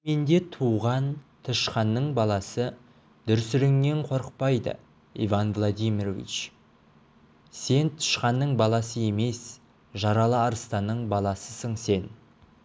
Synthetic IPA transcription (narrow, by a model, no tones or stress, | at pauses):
me̞nd̪e̞t̪ʰuʁɑnt̪ʰəʃqɑnːəɴbɑlˠɑsə | d̪̥ʏɾsɪɾɪŋme̞ɴqʰo̞ɾəq̚pɑjd̪ə̰ | ḭvanvlˠod̪ijmirovḭt͡ʃ | se̞nt̪ʰʊ̥ʃqɑnːəɴbɑlˠɑsəe̞me̞s | ʒɑɾɑlˠəɑɾəst̪ɑnːəɴbɑlˠɑsəsəɴse̞n